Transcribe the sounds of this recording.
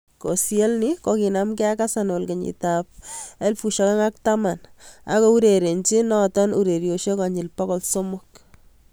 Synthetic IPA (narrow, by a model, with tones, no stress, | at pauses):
ko̰˨sje˦lnɪkoki˨namkɛ˦a˦kasano˨lke˨ɲḭtap̚e˦lfu˨ʃa˦ka˦ŋa˦k̚tama˨na̰˦kɔ˦u˦ɾeɾe˨nt͡ʃi˦nɔtɔ˦nu˨ɾe˨ɾjo˨ʃo˦kaɲɪ˨lpa˦kɔlso˦mʊk